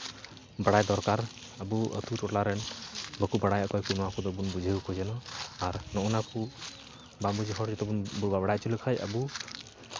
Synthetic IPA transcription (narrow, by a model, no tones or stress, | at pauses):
baɽajd̪ɔɾkaɾ | abuə̰t̪ʰutɔʈlaɾɛnbəkubaɽajɔkɔjkunakud̪ɔbunbud͡ʒʱikʰɔd͡ʒɛnɔaɾnɔʔɔnaku | bambud͡ʒiɦɔɾd͡ʒɔt̪ɔbunbubabaɽaj̚t͡ʃuləkʰaja̰bu